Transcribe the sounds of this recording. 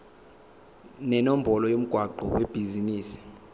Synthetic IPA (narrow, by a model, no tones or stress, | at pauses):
nɛnom̩bʱɔlɔjom̩ɡ̥ʱwaǃɔweb̥ʱiziniːsi̥